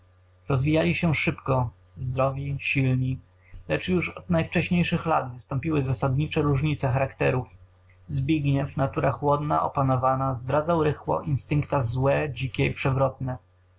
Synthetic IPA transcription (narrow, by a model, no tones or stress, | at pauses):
ɾɔzvʲijalʲiɕɛʂɘpkɔ | zd̪ɾɔvʲiɕilɲi | lɛt͡ʂjuʂɔd̪̥najft͡ʂɛɕɲejʂɘxlad̪vɘst̪ɔ̃mpʲiwɘzasad̪ɲit͡ʂɛɾuʐɲit̪sɛxaɾakt̪ɛɾuf | zbʲiɡɲɛfnat̪uɾaxwɔd̪na̰ʔɔ̰panɔvanazd̪ɾad̪zawɾɘxwɔ̰ʔinst̪ɘŋkt̪azwɛd͡ʑikʲɛipʂɛvɾɔt̪̚nɛ